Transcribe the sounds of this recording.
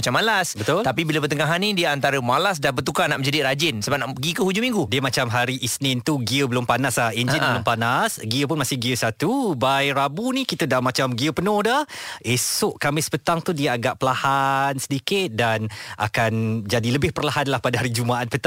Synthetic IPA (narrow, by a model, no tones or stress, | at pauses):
at͡ʃamːalasbət̪ʊlt̪apibilabət̪əŋaɦanidiəant̪aɾəmalas̬danbət̪ukanaʔməɲd͡ʒadiɾad͡ʒɪnsəbap̚naʔpəɡikəhud͡ʒumĩŋɡudiəmat͡ʃamɦaɾiʔisnɪnt̪uɡiəbəlʊmpanaslahend͡ʒɪnbəlʊmpanasɡiəpʊnmasɪhɡiəsat̪ubajɾabunikit̪ədamat͡ʃamɡiəpənʊ̃hdahesʊʔkamɪspət̪aŋt̪udiəaɡaʔpəlahansədikɪt̪̚danʔa̰kand͡ʒadiləbɪhpərlaɦanlahpadaɦaɾid͡ʒumaʔat̪pət̪a